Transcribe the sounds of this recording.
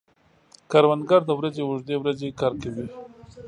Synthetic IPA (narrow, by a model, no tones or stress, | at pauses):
kaɾwand̪ɡaɾd̪əwɾazewʊʐd̪ewɾazekɑɾkawi